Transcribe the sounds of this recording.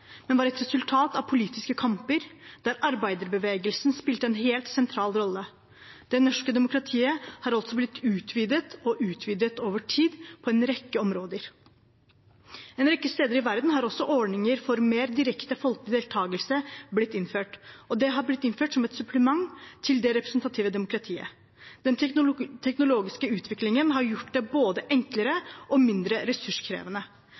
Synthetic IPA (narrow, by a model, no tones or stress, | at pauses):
mɛnʋɑːɾɛt̪ɾɛsʉlt̪ʰɑːt̪ɑʋpʰʊliːt̪ɪskəkʰɑmpəɾd̪̥æːɾʔɑɾbæɪd̪əɾbəʋeːɡəlsnspɪlt̪əɛnɦeːlt̪sɛnt̪ʰɾɑːlɾɔlːə | d̪̥ɛnɔʂkəd̪ɛmʊkɾɑt̪ʰiːəhɑɾɑlt̪sɔblɪt̪ːʉːt̪ʰʋiːd̪ət̪ɔʔʉːt̪ʰʋiːd̪ət̪oːʋəʈʰiːd̪pʰɔɛnɾɛkːəɔmɾoːd̪əɾ | ɛnɾɛkːəst̪eːd̪əɾɪʋæɾd̪n̩ɦɑɾɔsːɔʔɔɳɪŋəɾfɔɾmeːɾd̪ɪɾɛkt̪əfɔlklɪd̪eːlt̪ʰɑːɡəlsəblɪt̪ːɪnføːʈɔd̪ɛɦɑblɪt̪ːɪnføːʈsɔmɛt̪sʉpʰləmɑŋt̪ʰɪld̪ɛɾɛpɾɛsnt̪ɑt̪ʰiːʋəd̪ɛmʊkɾɑt̪ʰiːə̰ | d̪̥ɛnt̪ʰɛknʊloːɡɪskəʉːt̪ʰʋɪklɪŋənɦɑɾjʊʈːd̪ɛboːd̪əʔɛŋkləɾəʔɔmɪnd̪ɾəɾɛsʉʂkʰɾḛːʋənə